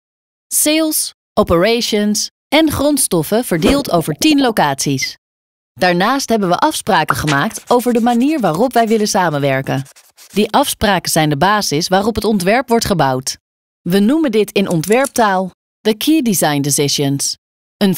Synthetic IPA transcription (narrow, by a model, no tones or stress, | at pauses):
selˠs | ʔɔpəɹejʃəns | ʔɛnχrɔntstɔfəv̥əɹdɪːlˠtowvəɹtinlowkaːtsis | d̥aːɹnaːstɦɛbənʋəʔɑfspraːkəχəmaːktowvəɹdəmaniːɹʋaːrɔpʋɛjʋɪlənsaːmənʋɛɹkən | diʔɑfspraːkəz̥ɛjndəbaːzɪsʋaːrɔpɦətɔntʋɛɹpʋɔɹtχəbʌwt | ʋənuməndɪtɪnʔɔntʋɛɹp̚taːlˠ | dəkʰiːdizɑjndɪsɪʃəns | ən